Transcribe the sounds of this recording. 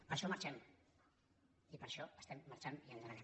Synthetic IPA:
pəɾʃɔməɾt͡ʃɛm | ipəɾʃɔəst̪ɛmːəɾt͡ʃaniənzɾnan

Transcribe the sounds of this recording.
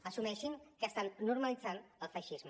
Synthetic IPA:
əsumɛʃiŋkəst̪anːuɾməlid͡zanəlˠfəʃizmə

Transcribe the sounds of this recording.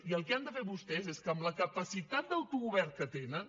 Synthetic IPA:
iəlˠkiand̪əfeβust̪ɛzeskəːmləkəpəsit̪at̪̚d̪əwt̪uɣuβɛɾkət̪enən

